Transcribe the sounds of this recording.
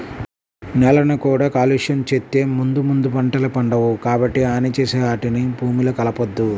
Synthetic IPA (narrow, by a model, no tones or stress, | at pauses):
nɛlɐnɐkuːɽaːkaːliʂɐnt͡ʃet̪ːeːmund̪umund̪upɐɳʈɐlɐpɐɳɖɐʋukaːbɐʈːiaːnit͡ʃeːseːɦaːʈinibʱuːmilɐkɐlɐpod̪ːu